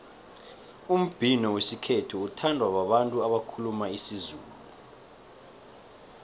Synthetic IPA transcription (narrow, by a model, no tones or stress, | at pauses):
um̩b̥ʱinɔwesikʰetʰuutʰandʱwaɓaɓantʼuaɓakʰulumaisizuːlu